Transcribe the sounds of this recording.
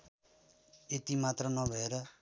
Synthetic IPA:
et̪imat̪rʌnʌbʱʌeɾʌ

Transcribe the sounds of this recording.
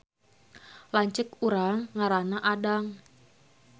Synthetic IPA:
laɲt͡ʃɪkuɾaŋːaɾanaʔadaŋ

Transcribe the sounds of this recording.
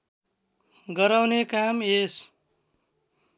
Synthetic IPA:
ɡʌɾawnekames

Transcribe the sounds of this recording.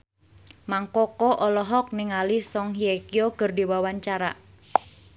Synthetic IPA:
maŋkɔkɔʔɔlɔɦɔk̚niŋalisɔŋɦiekiokərdiwawaɲt͡ʃaɾa̰

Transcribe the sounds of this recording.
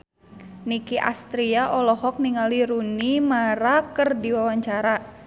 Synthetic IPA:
nikiʔa̰st̪ɾiaʔɔlɔɦɔk̚niŋaliɾunimaɾakərdiwawaɲt͡ʃaɾa

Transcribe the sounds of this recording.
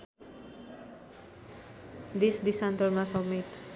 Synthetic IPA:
disdisãnt̪əɹmasɔmet̪

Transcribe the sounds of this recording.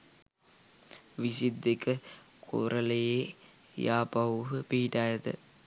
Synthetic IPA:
ʋisid̪ːekə | kʰo̰ːɾʔəleje | jaːpɐuɦəpiɦiʈaːjət̪ə̰

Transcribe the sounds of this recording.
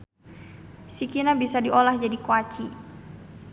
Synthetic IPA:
sikinabisadiolahd͡ʒadikoat͡ʃi

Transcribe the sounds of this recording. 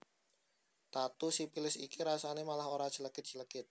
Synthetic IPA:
t̪at̪usipilɪsikiɾasanemalaɦoɾḁd͡ʒ̥ələkɪt̪̚d͡ʒ̥ələkɪt̪̚

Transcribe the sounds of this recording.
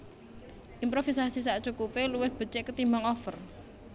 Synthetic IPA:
ʔimpɾofisasisaʔt͡ʃukupeluwɪhb̥ə̤t͡ʃɪʔkət̪imaŋɔfər

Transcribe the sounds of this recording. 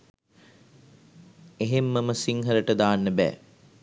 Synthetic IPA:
eɦemːəməsiŋɦəɾəʈəd̪aːnːəbæ̰ː

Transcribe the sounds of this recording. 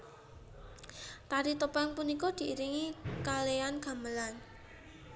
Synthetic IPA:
t̪aɾit̪əpɛŋpunikɔd̪̥i̤ʔiɾiŋikaleanɡ̥a̤məlan

